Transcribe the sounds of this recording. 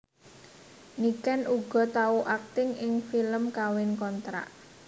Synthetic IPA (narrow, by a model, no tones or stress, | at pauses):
nikɛnʔuɡ̥ɔ̤t̪auʔak̚t̪ɪŋɪŋfiləmkawɪnkɔnt̪ɾa̰ʔ